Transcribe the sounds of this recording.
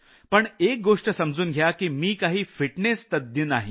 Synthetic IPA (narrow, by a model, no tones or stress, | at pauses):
pəɳek̚ɡoʂʈəsɐmd͡zuːnɡʱjakimiːkaɦiːfiʈnest̪ɐd̪ʱjənaɦḭ